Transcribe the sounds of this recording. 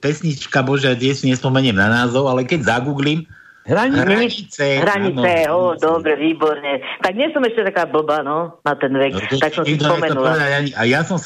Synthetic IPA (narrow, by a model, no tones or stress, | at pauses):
pɛsɲit͡ʃkabɔʒɛat̪ɪɛʃsiɲɛspɔmɛɲɛmnanaːzɔʊalɛkɛɟzaɡuːɡlim | ɦɾaɲɦɾiɲit͡sɛɦɾaɲinɛɔd̪ɔbɾɛʋiːbɔɾɲɛt̪aɡ̚ɲɪɛsɔmɛʃcɛt̪akaːbl̩banɔnat̪ɛnʋɛk̪t̪aksɔ̃sɛd̪ɔɲpɔɛmɛnupɔʋɛd̪aɟaɲiʔajasɔms